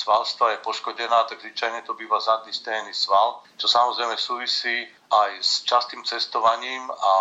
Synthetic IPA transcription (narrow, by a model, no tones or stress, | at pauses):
sʋalst̪ʋajɛpɔʃkɔɟɛnaːt̪aɡzʋit͡ʃajɲɛt̪ɔbiːʋazad̪nist̪ɛɛnisʋalt͡ʃɔsamɔzɾɛjmɛsuːʋisiː | ʔajst͡ʃast̪iːmt͡sɛst̪ɔʋaɲiːma